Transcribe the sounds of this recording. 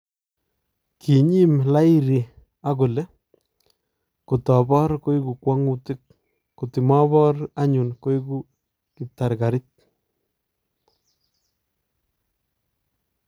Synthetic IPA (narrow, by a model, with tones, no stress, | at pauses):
ki˨ɲi˦mla˦i˦ɾi˨ | a˦ɡo˨le˦ | ku˨tɔ˨bɔ˦ɾko˦i˦ku˨kwa˦ŋu˦tɪ˦k | ku˨ti˨mɔ˦bɔ˦ɾa˦ɲu˨nko˦i˦ku˦ | ki˨ta˨ɾka˨ɾi˦t̚